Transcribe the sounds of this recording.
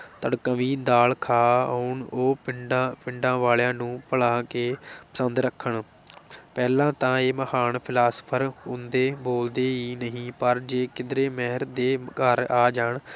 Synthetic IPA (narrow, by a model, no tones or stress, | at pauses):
t̪əɽkəʋĩːd̪aːlkʰaːəʊɳoːpɪɖapɪ̃ɳɖãːʋaːljãːnũːpəɽãːkeːpə̥sənd̪ɾəkʰːəɳ | pɛːlãːt̪ãːeːməhaːɳpʰɪlaːsə̥pʰəɾɦʊ̃nd̪eːboːld̪eːɦiːnəɦĩːpəɾd͡ʒeːkɪd̪ɾeːmɛɦəɾd̪eːkəɾaːd͡ʒaːɳ